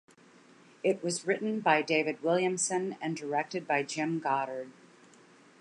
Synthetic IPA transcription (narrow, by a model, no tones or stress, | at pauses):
ɪʔ̚wʌzɹɪʔn̩baɪdeɪvɨd̚wɪlˠjɨ̃msɨ̃nɨ̃ndə˞ɛk̚tɨd̚baɪd͡ʒɪ̃mɡɑɾə˞d̥̚